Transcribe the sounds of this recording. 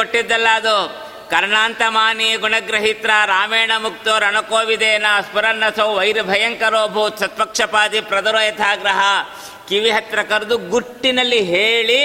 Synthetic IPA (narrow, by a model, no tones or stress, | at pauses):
oʈːid̪ːɐlːɐɐd̪u | kɐɾɳaːnt̪ɐmaːniɡuɳɐɡɾɐɦit̪ɾaːɾaːmeːɳɐmuk̚t̪oːɾɐɳɐkoːʋid̪eːnɐɐspɐɾɐnːɐsɐwʋɐjɾɐbʱɐjɐŋkɐɾoːbʱut̪sɐt̪̚pɐkʂɐpaːd̪ipɾɐd̪ɐɾoːjɐt̪ʰaːɡɾɐɦɐ | kiʋiɦɐt̪ɾɐkɐɾud̪uɡuʈːinɐlːiɦeːɭi